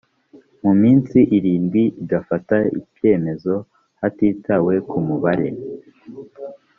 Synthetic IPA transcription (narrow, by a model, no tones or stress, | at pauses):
mumiːnsiʔiɾiːnɡwiiɡafataḭkje̞ːme̞zo̞ | hatiːtawe̞kumuβaɾe̞